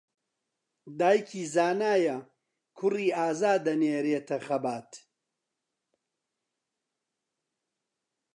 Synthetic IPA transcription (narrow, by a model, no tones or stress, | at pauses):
d̪aːjkʰiːzaːnaːjɐ | kʰʊriːaːzaːd̪ɐneːɾeːt̪ʰɐxɐbaːt̪